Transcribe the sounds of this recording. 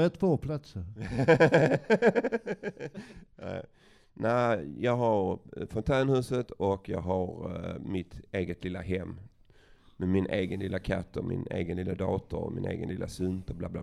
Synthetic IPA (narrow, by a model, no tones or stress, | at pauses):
ɛt̪ʰvoːpʰlat̪səɾ | næ̰ɪ | næɪjɑːɡɦaɾfɔnt̪ʰæːnhʉ̟ːsət̪ʰɔkjɑ̰ːɡɦaɾmɪt̪eːɡət̪lɪlːaɦɛmː | mɛmɪnʔeːɡənlɪlːakʰa̰t̪ːɔmɪ̰neːɡənlɪlːad̪ɑːt̪əɾɔ̰mɪ̰nḛːɡənlɪlʔasɵnt̪əblaːblaː